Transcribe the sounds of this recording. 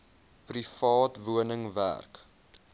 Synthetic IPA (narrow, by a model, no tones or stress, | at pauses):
prifɑːtvuənəŋvæ̰rk